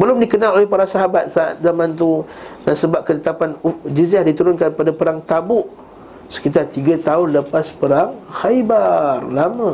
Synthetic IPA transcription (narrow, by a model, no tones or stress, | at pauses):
bəlʊmdikənalolɛhpaɾasaɦabat̪̚saa̰t̪̚zamãnt̪̬unansəbap̚kət̪ət̪apanud͡ʒizahdit̪uɾʊnkanpadapəɾaŋt̪abʊʔ | sə̥kit̪art̪iɡat̪aʊnləpaspəɾaŋxajbarlamə̃